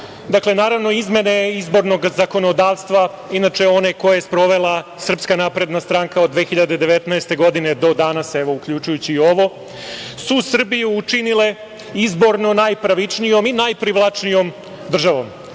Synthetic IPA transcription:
d̪akle̞naːɾaʋno̞izme̞ne̞izbo̞ɾno̞ɡzako̞no̞d̪aːʋst̪ʋa | inat͡ʃe̞o̞ne̞ko̞jespɾo̞ʋe̞lˠasr̩pskanapɾe̞d̪nast̪ɾaŋkaod̪ʋexiʎad̪e̞d̪eʋet̪naest̪e̞ɡo̞d̪ine̞d̪o̞d̪anaseʋo̞ukʎut͡ʃujut͡ɕiːo̞ʋo̞ | susr̩bijuːt͡ʂinile̞ | izbo̞ɾno̞najpɾaʋit͡ʂnijo̞minajpɾiʋlˠat͡ʂnijo̞m | d̪r̩ʒaʋo̞̰m

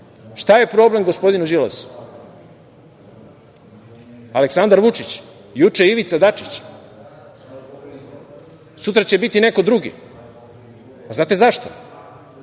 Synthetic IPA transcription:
ʃt̪aje̞pɾo̞ble̞mɡo̞spo̞d̪inuʒila̰su̥ | aleksand̪aɾʋut͡ʃit͡ɕ | jut͡ʂeiʋit̪sad̪at͡ʂi̥t͡ɕ | sut̪ɾat͡ɕebit̪ine̞ko̞d̪ɾuɡḭ | aznaːt̪e̞zaʃt̪o̰

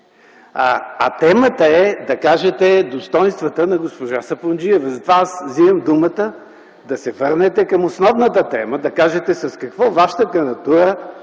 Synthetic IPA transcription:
a̰t̪ɛmət̪əɛd̪ɐkaʒɛt̪ɛd̪ost̪ɔjnst̪vɐt̪ənɐɡospoʒasɐpond͡ʒiɛvzɐt̪vaasziəmd̪umət̪ə | d̪ɐsɛvɤɾnɛt̪ɛkɐmosnɔvnət̪ət̪ɛməd̪ɐkaʒɛt̪ɛsɐskɐkvɔvaʃə̥t̪əkɐnɐt̪uɾə

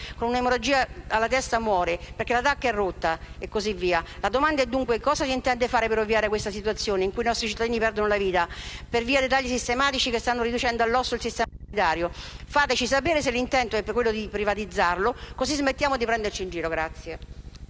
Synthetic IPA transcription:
konunaemoɾod͡ʒiːaalːat̪ɛst̪amwɔːɾeperkelat̪akːɛrːot̪ːaekːozivːiːalad̪omand̪aɛd̪ːuŋkwekɔːzasint̪ɛnd̪efaːɾepeɾovːiaːɾekwest̪asit̪uat̪sːjoːneiŋkuinɔst̪ɾit͡ʃit̪ːad̪inipɛrd̪onolaviːt̪aperviːad̪et̪aʎːisist̪emaːt̪it͡ʃikest̪anːoɾid̪ut͡ʃɛnd̪oalːɔsːoilsist̪ɛːa | it̪aːɾjofaːt̪et͡ʃisapeːɾes̬elːint̪ɛnt̪oɛpːkːwelːod̪ipɾivat̪id̪zːarlokosizmet̪ːjaːmod̪ipɾɛnd̪ert͡ʃind͡ʒiːɾoɡɾat̪sːje

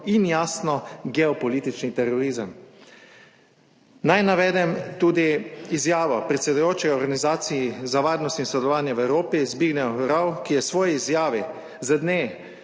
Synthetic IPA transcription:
injaːsnɔɡɛɔpɔliːt̪it͡ʃnit̪ɛɾɔɾiːzəm | najnaʋɛːd̪ɛmt̪uːd̪iizjaːʋɔpɾɛt̪sɛd̪ujoːt͡ʃɛjɔɾɡanizaːt̪sijizaʋaːɾnɔst̪insɔd̪ɛlɔʋaːnjɛʋɛwɾoːpizbiːɡnɛwɾawkijɛsʋɔːjiːzjaːʋi | zəd̪neː

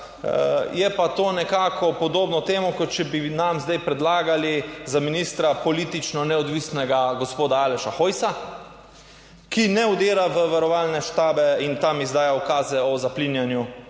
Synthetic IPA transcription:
jɛpat̪oːnɛkaːkɔpɔd̪oːbnɔt̪eːmɔkɔt̪̚t͡ʃɛbinamzd̪ajpɾɛd̪laːɡalizaminiːst̪ɾapɔliːt̪it͡ʃnɔnɛɔd̪ʋiːsnɛɡaɡospoːd̪aaːlɛʃaxojsa | kinɛud̪eːɾaʋəʋaɾɔʋaːlnɛʃt̪aːbɛint̪amizd̪aːjaɔkaːzɛɔzaplinjanju

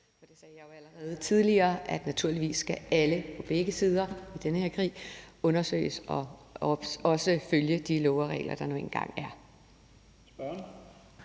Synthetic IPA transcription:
ɒ̽d̥e̝sɛːjɑjo̝æləʁɛːð̞ˠət͡sʰið̞ˠliɐːʔæd̥næt͡sʰuɐliʋḭːsːɡ̥ææləpʰɒ̽b̥eɡ̥əsiːð̞ˠɐid̥enəhe̝ɐ̰kʰʁḭːɔ̽nɐsø̰ːɪəsɒ̥̽ | ɒ̽səføljəd̥ilɔʊɐʁɛ̰ːlɐd̥ɑ̈noḛn̩ɡ̥ɑ̈ŋ̰æɐ

